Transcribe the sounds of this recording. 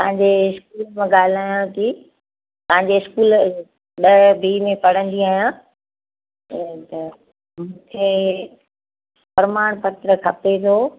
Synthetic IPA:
pɐɦãɲ̆d͡ʑeɪskuːlmãɠaːl̤aːjãki | t̪ɐɦãɲ̆d͡ʑeɪskuːl | ɗɐbʱiːmẽpɐɽ̤ə̃nd̪iaːɦjãː | t̪ɐ | mũːkʰe | pɐɾɪmaːɽ̃pɐt̪ɾəkʰɐpet̪ʰoː

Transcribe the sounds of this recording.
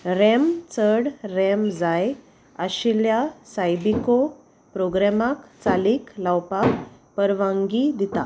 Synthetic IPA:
ɾɛmt͡səɽɾɛmd͡zaj | aɕiljasajbiko | pɾoɡɾamakt͡saliːklawpakpəɾʋãŋɡid̪ʱit̪a̰

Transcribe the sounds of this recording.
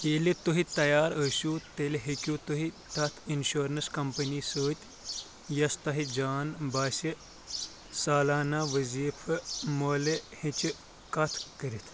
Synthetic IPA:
eːlit̪oɦit̪ɐjaːɾəsut̪elɦikʲjut̪oɦit̪ɐt̪ʰinɕoːɾɐnskɐmpɐnisəːt̪ʲ | jɐst̪ɐɦid͡ʒaːnbaːsi | saːlaːnaːʋəziːfʰɨmoːlehĩt͡ʃi | kɐt̪ʰkəɾit̪ʰ

